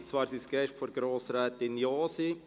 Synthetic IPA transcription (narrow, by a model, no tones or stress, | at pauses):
t͡svɑːɾsisɡ̥ɛʃtfɔɾɡɾoːsɾɛːt̪ɪnjoːsi